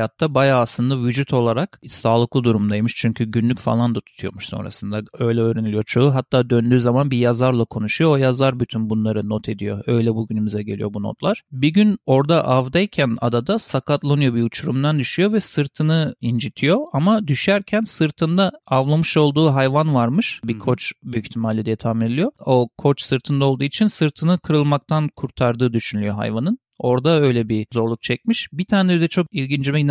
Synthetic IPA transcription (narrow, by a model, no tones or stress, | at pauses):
jat̪ʰːabajaːslˠɯnd̪avyd͡ʒut̪ʰo̞lˠaɾaksaːlˠɯklˠɯd̪uɾumd̪ajmɯʃt͡ʃʰyɲcʰyɟynlʲycʲfa̰lˠand̪at̪ʰu̥t̪ʰujo̰muʃso̞̰nɾa̰sɯnd̪aø̞jlʲɛøːɾenilʲijot͡ʃʰo̞uɦat̪ʰːaːd̪ønd̪yːzamanbijazaɾlˠakʰo̞nuʃujoojazaɾbyt̪ʰynbunlˠaɾɯnot̪ʰe̞d̪ijo̞ø̞jlʲɛbuɟynymizɛɟe̞lʲḭjo̞buno̰t̪lˠaɾ̥biɟyno̞ɾd̪aʔavd̪ajcʰæna̰d̪ad̪asakʰat̪lˠanɯjo̞biut͡ʃʰuɾumd̪and̪yʃyjo̞vɛsɯɾt̪ʰɯnɯind͡ʒit̪ʰijo̞amad̪yʃæɾcʰænsɯɾt̪ʰɯnd̪aavlˠamɯʃo̞lˠd̪uːɦajvanvaɾmɯʃbikʰo̞t͡ʃbyyçt̪ʰimaːlʲɛd̪et̪ʰaːmiilʲijo̞okʰo̞t͡ʃsɯɾt̪ʰɯnd̪aolˠd̪uːit͡ʃʰinsɯɾt̪ʰɯnɯkʰɯɾɯlˠmak̚t̪ʰankʰuɾt̪ʰaɾd̪ɯːd̪yʃynylʲyjo̞ɦa̰jvanɯn | o̞ɾd̪aø̞jlʲɛbizo̞ɾlˠuk̚t͡ʃʰɛc̚miʃbit̪ʰaːned̪ɛt͡ʃʰo̞k̚ilʲɟind͡ʒimɛn